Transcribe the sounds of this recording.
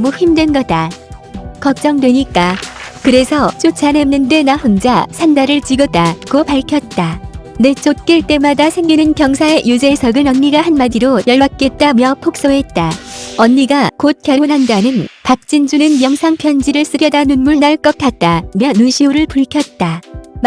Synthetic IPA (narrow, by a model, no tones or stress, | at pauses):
muçimdwe̞nɡʌda | kʌk̚t͡ɕ͈ʌŋdwe̞ɲik͈akɯɾe̞sʰʌt͡ɕ͈ot͡ɕʰanemnːɯnde̞nahond͡ʑasʰandaɾɯɭt͡ɕiɡʌdakopaɭkʰjʌt̚t͈ane̞t͡ɕ͈ot̚k͈iɭt͈e̞madasʰe̞ŋɡinɯnkjʌŋsʰaejud͡ʑe̞sʰʌɡɯnʌnːiɡahanmadiɾojʌɭbak̚k͈e̞t̚t͈amjʌpʰok̚s͈oɦe̞t̚t͈aʌnːiɡakot̚kjʌɭʰonɦandanɯnpak̚t͡ɕ͈ind͡ʑunɯnjʌŋsʰaŋpʰjʌnd͡ʑiɾɯɭs͈ɯɡjʌdanunmuɭnaɭk͈ʌt̚k͈at̚t͈amjʌnɯŋɕʰiuɾɯɭpuɭkʰjʌt̚t͈a